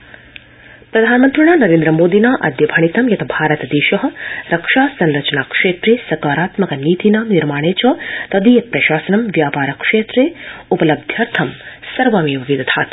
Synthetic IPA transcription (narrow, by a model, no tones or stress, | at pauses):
pɾɐd̪ʱaːnmɐnt̪ɾiɳaːnɐɾeːnd̪ɾɐmoːd̪inaːʔɐ̰d̪jɐbʱɐɳ̃it̪ɐmjɐt̪ʰɐbʱaːɾɐt̪ɐd̪eːʃɐɦɐ̆ɾɐkʂaːsɐnɾɐt͡ʃɐnaːkʂeːt̪ɾeːsɐkaːɾaːt̪mɐkɐniːt̪inaːmniɾmaːɽ̃eːt͡ʃɐt̪ɐd̪iːjɐpɾɐʃaːsɐnɐmʋjaːpaːɾɐkʂeːt̪ɾeːupɐlɐb̚d̪ʱjɐɾt̪ʰɐmsɐɾʋaːmijoɡid̪ɐt̪ʰaːt̪